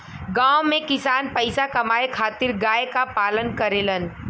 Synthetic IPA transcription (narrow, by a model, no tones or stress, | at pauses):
ɡãːomẽkɪsaːnpəɪsakɐmaːekʰaːt̪ɪɾɡaːekapaːlənkəɾeːlən